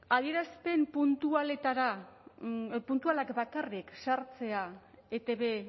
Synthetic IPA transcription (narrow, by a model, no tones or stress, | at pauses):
aðie̞ɾaspe̞mpunt̪uale̞t̪aɾa | punt̪ualakbakariksaɾt͡se̞a | et̪e̞βe̞